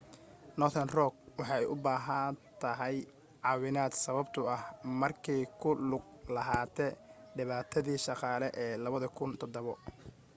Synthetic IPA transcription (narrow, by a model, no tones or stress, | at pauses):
nɔθʰɐnrɔɡ̚wɑħɑɛjʔʊbaːɦɐnt̪ʰɐɦɛj | ʕɑːwɪnaːd̪sɐβɐbt̪ʰʊɐhmɐrkʰiːjkʰʊlʊɡ̚lɐɦaːt̪ʰɛːɖɪβaːt̪ʰɐðiːʃɑqɑːlɛʔɛːlɐβɐðɐkʰʊnt̪ʰɔd̪ɔβɔ